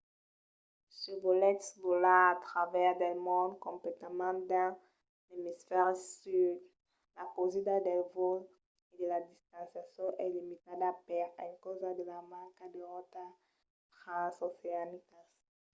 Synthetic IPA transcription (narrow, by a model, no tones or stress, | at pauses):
sevolɛt̪svolaːt̪ʁavɛʁd̪ɛlmɔ̃nd̪kõmplet̪amãnd̪ã | lemisfɛʁsyd̪ | lakozid̪ad̪ɛlvol | ed̪elad̪ist̪ãnsjasjɔ̃ʔɛlimit̪ad̪apɛʁɛ̃ŋkozad̪elamaŋkad̪eʁɔt̪as | t̪ʁãnsoseanikas